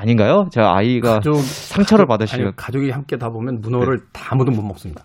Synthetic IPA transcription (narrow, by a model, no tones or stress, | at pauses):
aɲinɡajot͡ɕeɡaa̰iɡad͡ʑoɡsʰaŋt͡ɕʰʌɾɯɭpadɯɕʰiokad͡ʑoɡihamk͈e̞tabomjʌnmunʌɾɯɭtamudomummʌk̚s͈ɯmɲida